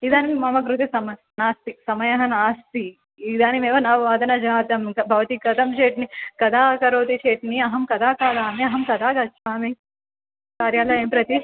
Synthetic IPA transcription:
id̪aːnimimɐmɐɡɾut̪ɐsɐmɐ | naːst̪isɐmɐjɐɦɐnaːst̪iː | d̪aːnimeːʋɐnɐʋʋaːd̪ɐnɐd͡ʒaːt̪ɐmɐbʱɐʋɐt̪ikɐd̪ɐmt͡ʃeːʈnikɐd̪ʱaːkɐɾoːt̪it͡ʃeːʈniɐɦɐmkɐd̪ʰʱaːkaːd̪aːmiɐɦɐmkɐd̪aːɡɐt͡ʃʰːʋaːmi | kaːɾjaːlɐeːmpɾɐt̪i

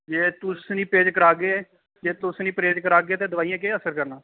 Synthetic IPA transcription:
d͡ʒeːt̪ʊsnĩːpeːd͡ʒkəɾaːɡeː | d͡ʒeːt̪ʊsnĩːpɾeːd͡ʒkəɾaːɡeːt̪eːd̪əʊʋaːijãːk̬eːəsəɾkəɾnaː

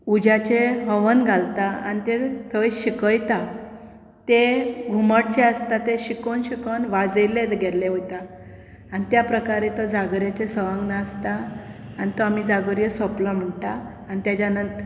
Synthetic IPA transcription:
ud͡ʑat͡ɕeɦəʋənɡʱalt̪aa̰nit̪et̪ʰəjɕikəjt̪a | t̪eɡʱuməʈ̚t͡ɕeəst̪at̪eɕikənɕikənʋad͡zəjled͡zɡɛlːeɦot̪a | anit̪japɾəkaɾet̪ɔd͡zaɡɾjat͡ɕesəʋãŋɡnast̪aː | nit̪ɔamid͡zaɡəɾjəsɔpləm̤əɳt̪aː | nit̪jad͡ʑanənt̪

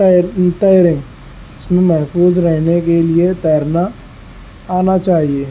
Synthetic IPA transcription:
t̪aːɾɪẽ | ɪsmẽmɛɦfuːzɾɛɦnekeliet̪ɛːəɾna | aːnat͡ʃaːɦieː

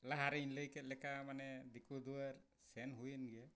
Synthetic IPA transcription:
laɦaɾɛinləjkɛt̪̚lɛkamanɛd̪ikʰud̪uwaɾ | sɛnɦujənɡɛ

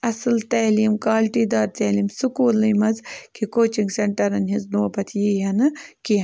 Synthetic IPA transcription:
ɐsɨlt̪ɐːliːmkaːlʈiːd̪aːɾt͡s̪ɐːliːmsukuːlːɨmɐzkʰikoːt͡ʃiŋɡseɳʈɐɾɐnɦizd̪uːpɐt̪ʰjiːjɐnɨki

